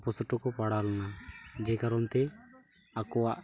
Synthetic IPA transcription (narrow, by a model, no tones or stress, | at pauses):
pɔsɔʈɔkɔpaɽalɔnad͡ʒekaɾɔnt̪e | akɔaʔ